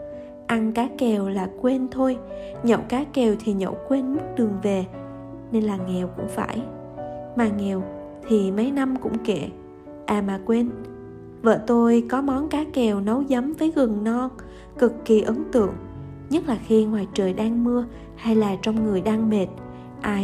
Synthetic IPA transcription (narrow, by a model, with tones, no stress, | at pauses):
ʔa˧ŋkaː˨˦kɛ˨˩wlaː˨˩kwe˧nt̪ʰo˧j | ɲɔ̰˧˩wkaː˨˦kɛ˨˩wt̪ʰi˨˩ɲo̰˧˩wkwe˧nmɨ˦˥k̚ɗɨ˨˩əŋve˨˩ | ne˧nlaː˨˩ŋɛ˨˩wkʊ̰˧˥ŋ͡mfa̰ː˧˩j | maː˨˩ŋɛ˨˩w | t̪ʰi˨˩mə˨˦jna˧mkʊ̰˧˥ŋ͡mke˧˩˨ | ʔaː˨˩maː˨˩kwe˧n | və̰ː˧˨t̪o˧jkɔ˨˦mɔ˨˦nkaː˨˦kɛ˨˩wnə˨˦wzə˨˦mvəː˨˦jɣɨ˨˩ŋnɔ˧ | kɨ˨˩kːi˨˩ʔə˨˦ŋt̪ɨ̰˧˨əŋ | ɲə˦˥t̚laː˨˩xi˧ŋwaː˨˩jt͡ɕəː˨˩jɗaː˧ŋmɨ˧ə | ha˧jlaː˨˩t͡ɕɔ˧wŋ͡mŋɨ˨˩əjɗaː˧ŋme˨˩t̚ | ʔaː˧